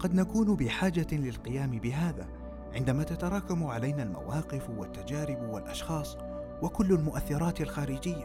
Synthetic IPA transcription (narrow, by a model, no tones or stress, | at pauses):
qɑd̪nakuːnbɪħaːd͡ʒalɪlqɪjaːmɪbɪɦaːðaː | ʕɪnd̪amaːt̪at̪ɑɾˤɑːkamʕalajnalma̰wɑːqɪfwat̪ːad͡ʒaːɾɪbwalʔɑʃxɑːsˤ | wakʊlːalmʊʔaθːɪɾˤɑːt̪alxaːɾɪd͡ʒɪjːa